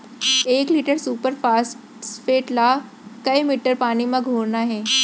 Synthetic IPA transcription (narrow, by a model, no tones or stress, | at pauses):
eːkliːʈəɾsuːpəɾfaːs | feːʈla | kɐimiːʈəɾpaːnimãɡʱoːɾnaɦɛː